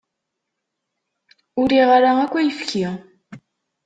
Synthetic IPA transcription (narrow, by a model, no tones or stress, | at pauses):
ʊɾiʁaɾaækʷːæjəfki